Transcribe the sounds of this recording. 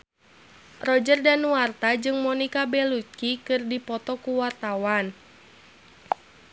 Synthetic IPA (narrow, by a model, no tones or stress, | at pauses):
rɔd͡ʒərdanuart̪ad͡ʒɨŋmɔnikabɛlut̪̚kikɨrdipɔt̪ɔkuwart̪awan